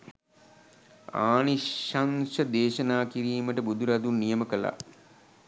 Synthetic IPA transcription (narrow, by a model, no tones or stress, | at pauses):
aːniʃansəd̪eːʃɐnaːkiɾiːməʈəbud̪uɾad̪unːijəməkəla̰